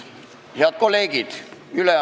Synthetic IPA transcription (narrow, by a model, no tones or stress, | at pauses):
hiælt̪̚koleːkit̪ylæ